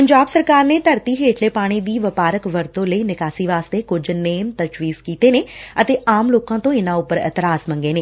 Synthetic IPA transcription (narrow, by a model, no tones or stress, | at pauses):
pəɲd͡ʒaːbsəɾkaːɾneːt̪əɾt̪iːɦeːʈʰleːpaːɽ̃iːd̪iːʋəpaːɾəkʋəɾt̪õːləiːnɪkaːsiːʋaːst̪eːkʊd͡ʒneːmt̪əʃʋiːzkiːt̪eːneːət̪eːʔaːmloːkãːt̪õːɪnãːʊpəɾɛ̰t̪ɪɾaːsmə̃ŋɡeːneː